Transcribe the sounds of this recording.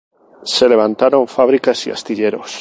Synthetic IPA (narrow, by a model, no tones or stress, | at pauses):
seleβ̞ant̪aɾoɱfaβ̞ɾikasia̰st̪iʎeɾos